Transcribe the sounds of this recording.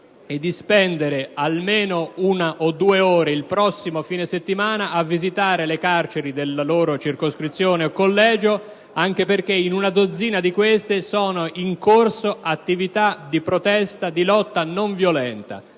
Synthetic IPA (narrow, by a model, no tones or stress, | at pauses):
ed̪ːispɛnd̪eɾealmeːnounaʔod̪ːueoːɾeilpɾɔsːimofiːneset̪ːimaːnaʔavːizit̪aːɾelekart͡ʃeɾid̪elːaloːɾot͡ʃirkoskɾit̪sːjoːneokːolːɛːd͡ʒo | aŋk̟eperk̟einunad̪od̪zːiːnad̪ikwest̪esɔːnoʔiŋkorsoʔat̪ːivit̪ad̪ipɾot̪ɛst̪ad̪ilɔt̪ːanoɱvjolɛnt̪a̰